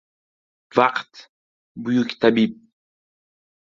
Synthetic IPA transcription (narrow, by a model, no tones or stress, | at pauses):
vaqt̪ | bujukʲt̪abip̚